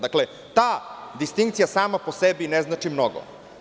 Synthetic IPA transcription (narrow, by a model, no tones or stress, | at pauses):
d̪akle | t̪aːd̪ist̪iŋkt̪sijasaːmaposebineznat͡ʂimnoɡo̰